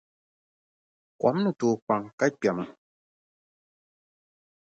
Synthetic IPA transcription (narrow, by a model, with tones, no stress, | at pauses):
kɔ̰˨˦m˦nɨ˨tu˨k͡pa˨ŋka˦k͡pa˨mɨ˨